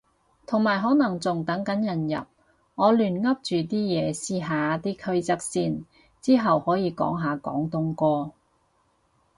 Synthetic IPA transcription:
t̪ʰʊ˨˩ŋmaː˨jɦɔː˨˥nɐ˨˩ŋt͡sʊ˨˩ŋt̪ɐ˨˥ŋkɐ˨˥njɐ˨˩njɐ̰˨˩p̚ | ŋɔː˨˧lyː˨˩nŋɐ˥p̚t͡ʃyː˨t̪iː˥jɛː˨˧siː˥ɦaː˨˧t̪iː˥kʰɵ˥ɥt͡sɐ˥k̚siː˧n | t͡siː˥ɦɐ˨whɔː˨˥jiː˨˧kɔ̰ː˨˥ŋɦaː˨˧kɔ̰ː˨˥ŋt̪ʊ˥ŋkɔː˥

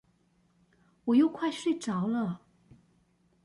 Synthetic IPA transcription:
wɔ˨˩jo˥˧ʊkʰwa˥˧ɪɕwe˥˩ɪʈ͡ʂɑ˨˧˥ʊlə˥˧

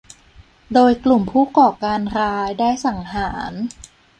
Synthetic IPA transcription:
doː˧jklu˨˩mpʰuː˥˩kɔː˨˩kaː˧nɾaː˦˥jdaː˥˩jsa˩˦ŋhaː˩˦n

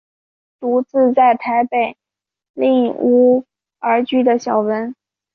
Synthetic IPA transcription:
t̪u˧˥t͡sɹ̩˥˧t͡sa˥˩ɪt̪ʰa˧˥ɪpe˨˩ɪ | li˥˩ŋu˧˥ | ə˞˧˥t͡ɕy˥d̪ə˧ɕjɑ˨˩ʊwə˧˥n

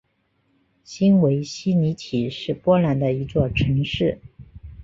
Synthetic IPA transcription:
ɕi˥nwe˧˥ɪɕi˥ni˧˥t̪ʰi˨˩ʂɻ̩˥˩pwɔ˥la˧˥nd̪ə˧i˧˥t͡swɔ˥˩ʈ͡ʂʰɤ˧˥ŋʂɻ̩˥˩

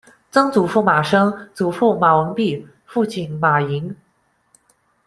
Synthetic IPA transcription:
t͡sɤ˥ŋt͡su˨˩fu˥˩ma˨˩ʂɤ˥ŋt͡su˨˩fu˥˩ma˨˩wɤ˧˥ŋpi˥˧ | fu˥˧t͡ɕʰi˨˩nma˨˩i˧˥ŋ

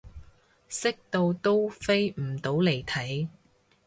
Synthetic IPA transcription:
sɪ˥k̚t̪o˧wt̪o˥wfe˥jm̩˨˩t̪o˨˥wle˨˩jt̪ʰɐ˨˥j

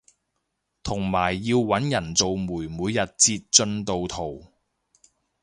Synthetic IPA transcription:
t̪ʰʊ˨˩ŋmaː˨˩jːiː˧wwɐ˨˥njɐ˨˩nt͡so˨wmuː˨˩jmuː˨˧jːɐ˨t̚t͡siː˧t̚t͡ʃɵ˧nt̪o˨wt̪ʰo˨˩w

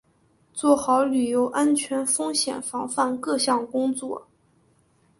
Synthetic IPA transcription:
t͡swɔ˥˩xɑ˧˥ʊly˨˩jo˧˥ʊʔa˥nt͡ɕʰɥɛ˧˥nfɤ˥ŋɕjɛ̰˨˩nfɑ˧˥ŋfa˥˧nkɤ˥˧ɕjɑ˥˩ŋkʊ˥ŋt͡swɔ˥˩

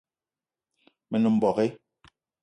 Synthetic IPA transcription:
mɛ˨nu˨m̩˨bɔ˨ɣe˦

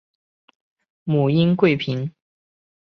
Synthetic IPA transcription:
mu˨˩i˥nkwe˥˩ɪpʰi˧˥ŋ

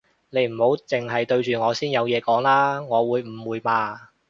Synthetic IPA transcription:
ne˨˧˥jm̩˨˩ho˨˥wt͡sɪ˨˩ŋɦɐ˨jt̪ɵ˧ɥt͡ʃyː˨˩ŋɔː˨˧siː˥njɐ˨˧wjɛː˨˧kɔː˨˥ŋlaː˥ŋɔː˨˧wuː˨˧jm̩˨˩wuː˨˧jmaː˧

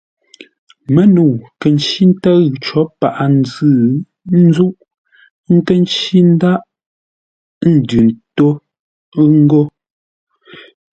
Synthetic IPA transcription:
mə˦nu˨kə˨n˦t͡ʃi˦n̩˦tə˦ɣt͡ʃɔ˨˦pa˨ʔa˨n˦zɨ˦˨ | n̩˦zu˦ʔ | ŋ̩˦kə˦n˦t͡ʃi˦n̩˦da˦ʔ | n̩˨dʉ˨n˨to˦ | ŋ̩˦ɡo˦

